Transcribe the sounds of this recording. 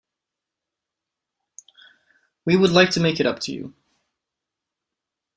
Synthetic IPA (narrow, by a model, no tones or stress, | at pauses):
wiwədˡlaɪk̚tʰɨmeɪkɨɾʌp̚tʰɨjʉ̰